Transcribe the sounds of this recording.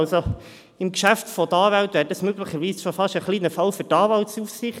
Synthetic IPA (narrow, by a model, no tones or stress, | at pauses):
lso | ɪmkʃæftfɔdəɑːvæltʋæːɾdɑsmøɡləχəɾʋiːsʃofɑʃəχliːnəfɑwfʏtɑːvɑltsufsɪχt